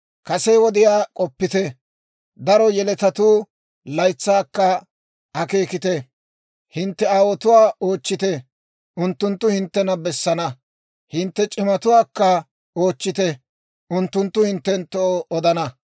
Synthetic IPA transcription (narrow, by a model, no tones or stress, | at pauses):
kɐsɛjwɔd̪ɪjaːkʼɔpːɪt̪ɛ | d̪ɐɾɔjɛlɛt̪ɐt̪uː | lɐjt͡sːaːkːɐ | ʔɐke̞ːkɪt̪ɛ | hɪnt̪ːɛaːwɔt̪ʊwaːo̞ːt͡ʃːɪt̪ɛ | ʔʊnt̪ːʊnt̪ːʊhɪnt̪ːɛnɐbɛsːɐnɐ | hɪnt̪ːɛt͡ʃʼɪmɐt̪ʊwaːkːɐ | oːt͡ʃːɪt̪ɛ | ʔʊnt̪ːʊnt̪ːʊhɪnt̪ːɛnt̪ːɔoɔd̪ɐnɐ